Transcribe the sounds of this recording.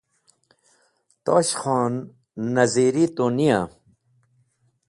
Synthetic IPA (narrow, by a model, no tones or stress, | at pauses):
t̪oːɕxɔːnː | ɐziɾit̪onija